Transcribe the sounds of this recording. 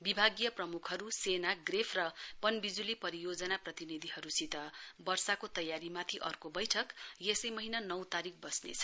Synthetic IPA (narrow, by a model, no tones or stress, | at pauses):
bibʱaɡjʌprʌmukʰɦʌɾusenaɡrepʰrʌpʌnbid͡zulipʌɾijod͡zʌnaprʌt̪inid̪ʱiɦʌɾusit̪ʌbʌrsakot̪ʌjaɾimat̪ʰiʔʌ̰rkobʌjʈʰʌkjesʌjmʌɦinanʌwt̪aɾik̚ʰbʌsnḛt͡sʰʌ̥